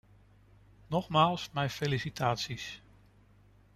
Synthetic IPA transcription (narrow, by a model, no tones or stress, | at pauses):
nɔχmaːlˠsmɛjfelisitʰaːtsis